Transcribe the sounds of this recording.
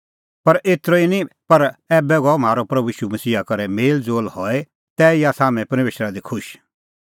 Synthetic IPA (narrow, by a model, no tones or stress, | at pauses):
pɐɾeːt̪ɾoinipɐɾɛːbɛɡɔm̤aːɾopɾɐbujiːʃumɐsiːɦakɐɾɛmeːld͡zoːlhɔːe | t̪ɛːɪjasaːmɛ̃pɐɾmeːʃɾad̪ikʰʊʃ